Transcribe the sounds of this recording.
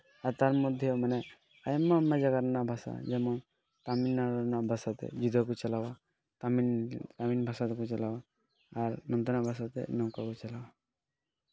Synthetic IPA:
aɾt̪aɾmɔd̪ʱjomənɛ | ajmːamːad͡ʒɐɡaɾnabʱasa̰d͡ʒemõ | t̪aminːaɾnabʱasat̪ḛd͡ʒud̪ʱakut͡ʃɐlaʋa | t̪amint̪aminbʱasat̪ekut͡ʃɐlaʋaː | ɾnɔnd̪ənabʱasat̪ḛnɔwkakut͡ʃɐlaʋa

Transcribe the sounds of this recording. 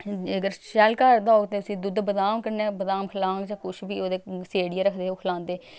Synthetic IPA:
əɡəɾʃɛlkəɾd̪aːoːt̪eəsĩːd̪ʊd̪bəd̪aːmkəɾneːbəd̪aːmkʰəlãːŋɡd͡ʒãːkʊʃbiːoːd̪eːseːɽiaːɾəkʰd̪eːoːkʰlãːnd̪eː

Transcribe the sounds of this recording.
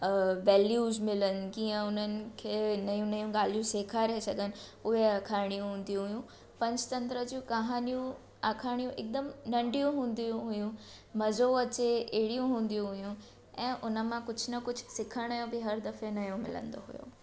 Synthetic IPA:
ʋɛːljuːzmɪlənɪ̆kiːə̃ʊnənɪ̆kʰeːnɐjũnɐjũɡaːl̤ijũseːkʰaɪɾɐɦesɐɡʱənɪ̆ʊɦeakʰaːɪɽ̃ijũɦũːnd̪ijũɦʊjũ | pɐ̃ɲd͡ʑt̪ɐ̃nt̪ɾəd͡ʑũːkɐɦaːnijũ | aːkʰãːijũʔɪk̚d̪əmnɐ̃ɳɖijũɦũːn̆d̪ijũɦʊjũ | mɐzoɐt͡ɕeeɦɪɽijũɦũːn̆d̪ijũɦʊjũ | ɛ̃ːʔʊnə̆mãkʊd͡ʑʱʊnɐkʊd͡ʑʱʊsɪkʰəɽ̃jõbɪɦɐɾd̪ɐfenɐjõmɪ̰lə̰̃nd̪o̰ɦʊ̰jo̰ː

